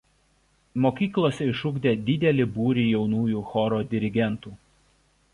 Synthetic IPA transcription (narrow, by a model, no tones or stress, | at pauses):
moːkʲiːklˠoːsʲɛɪʃʊɡd̪ʲeːd̪ʲɪd̪ʲɛlʲɪbuːɾʲiːjɛʊnuːjuːxɔɾoːd̪ʲɪɾʲɪɡʲɛnt̪uː